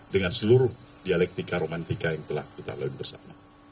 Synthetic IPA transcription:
dəŋansəluɾʊhdialɛk̚t̪ikaɾomant̪ikajaŋt̪əlahkit̪a̰laɪnbərsa̰ma

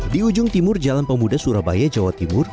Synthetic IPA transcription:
diud͡ʒʊŋt̪imʊrd͡ʒalanpəmudasuɾaba̰jad͡ʒawat̪imʊr

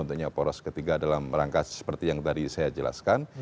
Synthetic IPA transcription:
unt̪uk̚ɲapɔɾɔskət̪iɡadalamɾaŋkassə̥pərt̪ijaŋt̪adisajad͡ʒəla̰skan

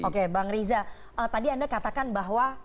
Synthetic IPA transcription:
okebaŋɾiza | ʔət̪adiandakat̪akanbaɦwa

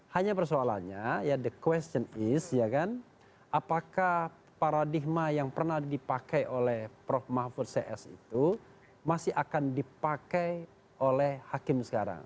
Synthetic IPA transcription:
haɲapərsoala̰nɲajadəkwɛst͡ʃənɪsjakan | apakah | paɾadihmajaŋpərnadipakajʔolɛhpɾɔfmafʊt̪̚seʔɛsḭt̪u | masɪhakandipakaj | olɛhhakɪmsə̥kaɾa̰ŋ

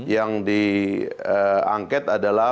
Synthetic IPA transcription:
jaŋdi | əa̰ŋkɛt̪adala

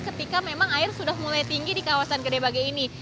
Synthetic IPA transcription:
kət̪ikamemaŋaɪrsudahmulajt̪iŋɡidikawasankədebaɡajini

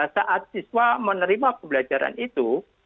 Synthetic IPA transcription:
saʔat̪̚siswamənəɾimapəbəlad͡ʒaɾa̰nit̪u

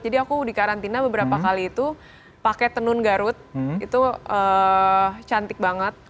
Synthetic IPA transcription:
d͡ʒadiakudikaɾant̪inabəbəɾapakaliːt̪u | pakɛt̪ənʊnɡaɾʊt̪̚it̪uə | t͡ʃant̪ɪk̚baŋət̪̚

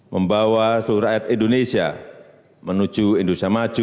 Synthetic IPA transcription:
məmbawasuɦuɾajat̪indonesia̰ | mənud͡ʒuindut̪amat͡ʃu

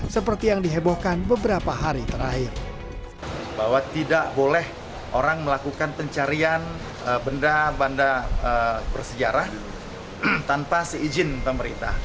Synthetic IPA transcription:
səpərt̪ijaŋdiɦebohkanbəbəɾapaɦaɾit̪əɾaɦɪr | bawat̪ːidaʔbolɛh | ʔoɾaŋməlakukanpəɲt͡ʃaɾian | əbəndabandaəbərsəd͡ʒaɾah | t̪anpasəid͡ʒɪnpəməɾḭnt̪a̰

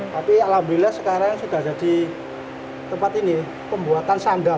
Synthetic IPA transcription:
t̪apialhamd̪ilahsəkaɾaŋŋsud̥a̤hd͡ʒ̥ad̥i | t̪əmpat̪ini | pəmbuat̪ansaŋda

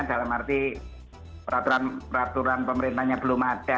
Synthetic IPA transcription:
d̥a̤lamart̪i | pəɾat̪uɾanpəɾat̪uɾanpəməɾint̪ahɲab̥əlumad̥a

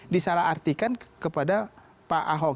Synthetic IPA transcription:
disalaɦart̪ikankəpada | paʔaɦɔ

